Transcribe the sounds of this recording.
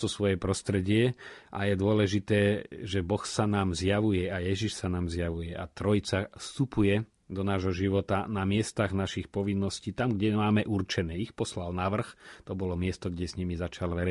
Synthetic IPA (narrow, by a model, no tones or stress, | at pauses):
t̪ɔsʋɔjɛpɾɔst̪ɾɛɟɪɛʔajɛd̪ʊɔlɛʒit̪ɛːʒɛbɔxsanaːmzjaʋujɛajɛʒiʃsanaːmzjaʋujɛa̰t̪ɾɔjit͡safst̪upujɛ | d̪ɔnaːʒɦɔʒiʋɔt̪anamɪɛst̪aɣnaʃixpɔʋinːɔsciːt̪amɡɟɛmaːmɛʔurt͡ʃɛnɛːixpɔslalnaʋr̩xt̪ɔbɔlɔmɪɛst̪ɔɡɟɛzɲimizat͡ʃalʋɛɾɛ